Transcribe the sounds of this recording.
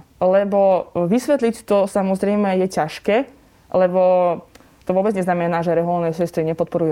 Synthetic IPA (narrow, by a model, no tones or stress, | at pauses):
lɛbɔʋisʋɛt̪lict̪ɔsamɔzɾɛjmɛjɛcaʃkɛː | lɛbɔ | t̪ɔʋʊɔbɛd͡zɲɛznamɛnaːʒɛɾɛɦulnɛsɛst̪ɾiɲɛpɔt̪̚pɔɾuj